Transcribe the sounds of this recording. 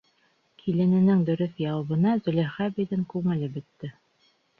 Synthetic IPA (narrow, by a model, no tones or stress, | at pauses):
kʰilɘ̆nɘ̆nɘŋd̪ɵ̆ɾɵθjɑwɤ̆βɤ̆nɑzɵ̆læχæbid̪ɘŋkʉŋɘ̆lɘbɘ̆t̪ːɘ